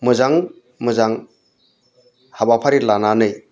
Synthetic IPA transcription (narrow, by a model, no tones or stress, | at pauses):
mɯzaŋ | mɯzaŋ | habapʰaɾilananɯj